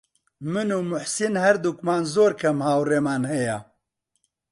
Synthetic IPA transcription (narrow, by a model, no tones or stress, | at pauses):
mɨnuːmʊħsinhɛɾd̪ukmaːnzoːɾkʰɐmhaːwreːmaːnhɛja